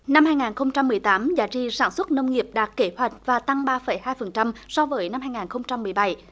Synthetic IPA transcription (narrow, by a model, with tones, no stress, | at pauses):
na˧mhaː˧jŋaː˨˩nxə˧wŋ͡mt͡ɕa˧mːɨ˨˩əjt̪aː˨˦mzaː˨˦t͡ɕḭ˧˨saː˧˩nswə˦˥t̚nə˧wŋ͡mŋi˨˩əp̚ɗaː˨˩kːe˧˦hwa˨˩jk̟̚vaː˨˩t̪a˧ŋɓaː˧fə˨˧˩jhaː˧jfə˨˩nt͡ɕa˧msɔ˧vəː˨˦jna˧mhaː˧jŋaː˨˩nxə˧wŋ͡mt͡ɕa˧mːɨ˨˩əjɓa˧˩j